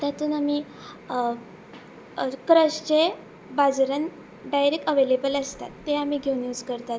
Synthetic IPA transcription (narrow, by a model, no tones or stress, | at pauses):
t̪at̪uːnami | kɾəɕt͡ɕe | bad͡zɾən | ɖajɾikəʋelebələst̪a̰t̪ːeamiːɡʱeunjuːd͡zkəɾt̪at̪̚